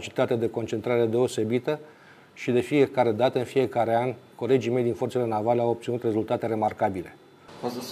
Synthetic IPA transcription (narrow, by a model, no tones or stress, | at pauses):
t͡ʃi̥t̪at̪ed̪e̞ko̞nt͡ʃe̞nt̪ɾaɾe̞d̪e̞o̞se̞bit̪ə | ʃid̪e̞fije̞kaɾe̞d̪at̪əɨnfije̞kaɾe̞anʲko̞le̞d͡ʒime̞jd̪info̞rt̪selenavaleawop̪̚sinut̪re̞zult̪at̪e̞ɾe̞markabile̞̰